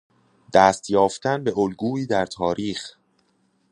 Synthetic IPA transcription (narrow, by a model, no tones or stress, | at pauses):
d̪̥æːst̪jɒːft̪ʰænbe̞ʔolɡuːiːd̪æɾt̪ʰɒːɾiːx